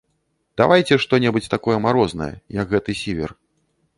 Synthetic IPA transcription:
d̪̥avajt͡sʲɛʂt̪ɔnʲɛbut͡sʲt̪akɔjɛmaɾɔznɐ̰jɐ̰jɐkɣɛt̪ɨsʲivʲɛ̰r

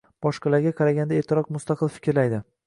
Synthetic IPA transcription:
b̥ɒʃqɑlaɾɡʲaqʰɑɾaɡʲand̪aeːt̪ʰːɪɾɒqmʊst̪ɑqʰɨlˠfɪ̥kʲɾlajd̪ɪ

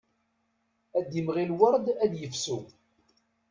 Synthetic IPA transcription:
æd̪imʁilwəɾˤd̪æd̪jəfsu

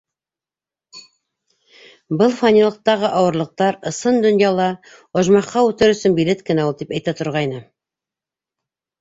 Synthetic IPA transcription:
bɤlˠfɑnʲilˠɤ̆q̚t̪ɑʁɤʔɑwɤ̆ɾlˠɤ̆q̚t̪ɑɾɤ̆sɤnd̪ɵ̆njɑlˠɑ | ŏʒmɑqːɑʉt̪ɘɾɵ̆sɵnbilet̪kɘ̆næulˠt̪ipæjt̪æt̪ŏɾʁɑjnɤ

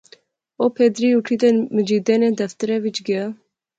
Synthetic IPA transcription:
oːpʰed̪ɾiuʈʰid̪enmɨd͡ʒiːd̪ɛned̪ɛft̪ɨɾɛvit͡ʃɡɛa

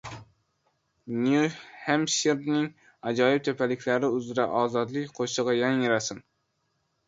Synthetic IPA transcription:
njuhæmʃiɾnɪŋ | ɑd͡ʒɑːjip̚t̪ʰøpʰɛlɪkʲʰlæɾɪyzɾɛʔɑːzɑd̪lˠɨkʲqʰoʃəʁɑjɑŋiɾɑsɨn

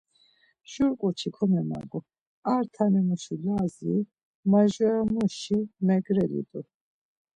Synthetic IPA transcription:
ʒ̥uɾkʼut͡ʃʰikʰɔmɛma̰ɡɔ | aɾt̪ʰanɛmuʃilaːzi | maʒwɛamuʃimɛɡɾɛlḭd̪ʼu

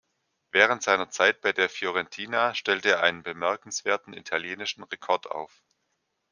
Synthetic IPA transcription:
vɛːʁ̞əntz̥aɪnɐt͡saɪt̚b̥aɪdeːɐfjɔʁɛntʰiːnaʃtɛltəeːɐʔa̰ɪnənbəmɛɐkn̩sv̥eːɐtn̩ḭtʰaljeːnɪʃn̩ʁekʰɔɐta̰ʊf

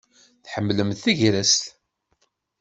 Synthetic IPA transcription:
θħəmːləmθθiʝɾæst̪

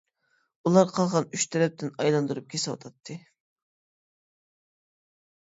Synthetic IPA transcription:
ulˠɑɾqʰɑlˠʁɑnyʃt̪ʰɛɾɛp̚t̪ʰɪnɑjlˠɑnd̪uɾup̚kʲʰesɪwɑ̰t̪ʰɑt̪ʰːɨ

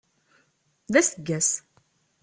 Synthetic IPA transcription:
ðæsəɡːæs

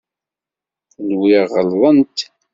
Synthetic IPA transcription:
lwiʁəlðˤənt̪

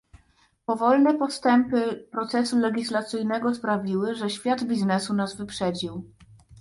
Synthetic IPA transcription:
pɔvɔlnɛpɔst̪ɛmpɘpɾɔt̪sɛsulɛɡʲislat̪sɘjnɛɡɔspɾavʲiwɘʐɛɕfʲjad̪bʲiznɛsunazvɘpʂɛd͡ʑiw

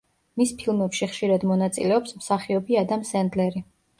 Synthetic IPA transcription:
mispʰilˠmɛpʃiχʃiɾad̪mɔnat̪sʼḭlɛɔpsmsaχiɔbiad̪amsɛnd̪lɛɾi

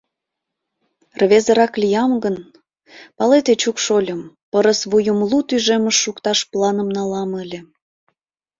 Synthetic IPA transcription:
rβezə̆ɾɑklʲijɑmɡən | pɑlet̪et͡ɕukʃolʲəm | pəɾəsβujəmlut̪yʒeməʃːukt̪ɑʃplɑnəmnɑlɑməlʲe

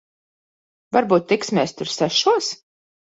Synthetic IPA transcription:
vaɾbuːt̪ːiksmʲɛːst̪ʊɾsæʃuɔs

